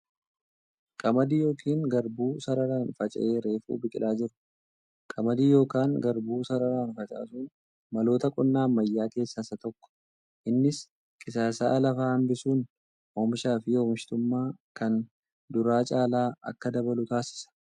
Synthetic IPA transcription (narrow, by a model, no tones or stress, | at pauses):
kʼɐmɐd̪iːjo̞ːkʰiːŋɡɐɾbuːsɐɾɐɾaːnfɐt͡ʃʼɐ̰ʔeːɾe̞ːfṵːbɪkʼɪlʔaːd͡ʒɪɾʊ̥ | kʼɐmɐd̪iːjo̞ːkaːŋɡɐɾbuːsɐɾɐɾaːnfɐt͡ʃʼa̰ːsuːn | mɐlo̞ːt̪ɐkʼɔnːaːmːɐjːaːke̞ːsːɐsɐt̪ɔkːɔ̥ | ʔɪnːɪs | kʼɪsaːsa̰ːʔɐlɐfaːhɐmbɪsuːn | omɪʃaːfɪoːmʃɪ̥t̪ʊmːaːkɐn | d̪ʊɾaːt͡ʃʼaːlaːɐ̰kːɐd̪ɐbɐlʊt̪aːsɪ̥sɐ̥